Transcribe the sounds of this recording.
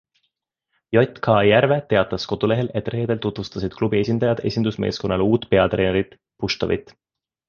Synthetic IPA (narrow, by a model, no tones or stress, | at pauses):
jo̞t̪ʲkʰɑːjærve̞t̪e̞ɑt̪ːˑɑsko̞d̪̥ule̞ɦe̞le̞t̪ːˑre̞ːd̪elt̪ut̪vust̪ɑsid̪̥klubie̞sʲind̪̥ɑjɑd̪̥e̞̰sʲind̪usme̞̰ːsko̞nːɑluːt̪ːˑpe̞ɑt̪re̞ːneɾit̪ | puʃt̪o̰vḭt̪ːˑ